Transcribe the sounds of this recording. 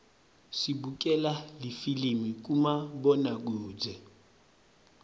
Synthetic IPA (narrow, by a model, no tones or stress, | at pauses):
sibukʼɛlalifilimikʼumabɔnak̬uːd͡zɛ